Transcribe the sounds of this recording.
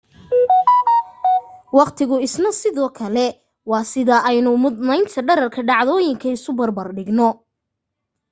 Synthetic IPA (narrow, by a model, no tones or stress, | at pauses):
wɑqt̪ʰɪɣʊɪsnɐsɪðɔːkʰɐlɛ | wɑːsɪðɐʔɛjnʊmʊd̪nɛjnt̪ʰɐɖɐɾɐrkʰɐɖɑʕðɔːjɪŋkʰɐɪsʊbɐrbɐrɖɪɡnɔ